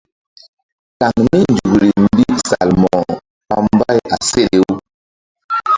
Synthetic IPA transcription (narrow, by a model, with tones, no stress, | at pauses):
ta˨ŋmi˦nd͡ʒu˨ɡɾi˨m˦bi˦sa˨lmɔ˨ | pa˨mba˦ja˨se˦ɗe˦w